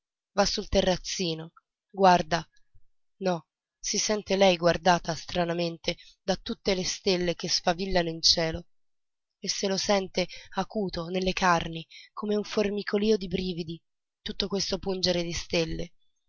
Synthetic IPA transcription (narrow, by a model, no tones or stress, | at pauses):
vasːult̪erːat̪sːiːno | ɡward̪a | nɔ | sisɛnt̪elɛjɡward̪aːt̪ast̪ɾanament̪ed̪at̪ːut̪ːelest̪elːekesfavilːanoint͡ʃɛːlo | esːelosɛnt̪eakuːt̪onelːekarnikomeuɱformikʰoliːod̪ibɾiːvid̪i | t̪ut̪ːokwest̪opund͡ʒeɾed̪ist̪elːe